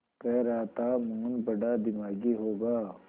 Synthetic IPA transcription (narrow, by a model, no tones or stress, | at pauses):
pɛɾaːt̪amuːnbɐɖad̪ɪmaːɡiɦoːɡaː